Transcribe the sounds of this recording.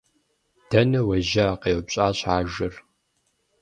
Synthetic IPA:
d̥ɐnɐwɐʒɐaːqeːwpɕʼaːɕaːʒɨr

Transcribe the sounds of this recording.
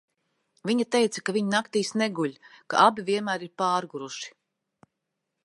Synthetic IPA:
viɲat̪ɛjt̪sɐ̥kaviɲnakt̪iːsneɡuʎʲka̰ʔabiviɛnmæːɾiɾpaːɾɡuɾuʃi̥

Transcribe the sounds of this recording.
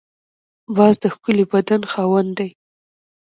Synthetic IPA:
bɑzd̪əxkəlibad̪anxɑwand̪aj

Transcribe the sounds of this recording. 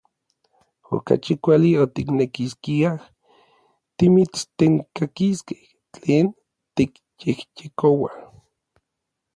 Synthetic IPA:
o̰ka̰t͡ʃikʷaliot̪iknekiskiah | t̪imit͡st̪eŋkakiske̥h | t͡ɬeːn | t̪ik | jehjekowah

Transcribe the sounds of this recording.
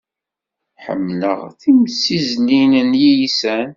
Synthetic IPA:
ħə̰mːlə̰ʁθiməsːizninənjijsæn

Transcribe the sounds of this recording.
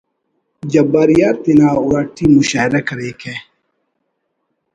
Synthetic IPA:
d͡ʒɐbaːɾijaɾt̪inaːʊɾaʈʰːiːmʊʃaːɪɾɐkɐɾeːkʰɛ

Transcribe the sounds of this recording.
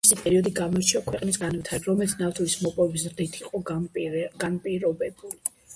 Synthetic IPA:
sipʼɛɾiɔd̪iɡamɔɾt͡ʃʰiakʰwɛqʼnisɡanvit̪ʰaɾɛɾɔmɛlt̪ʰnaft̪ʰulismɔpʼwɔvɛbiszɾd̪it̪ʰiqʼɔ | ɡ̥anpʼiɾɔbɛbuli

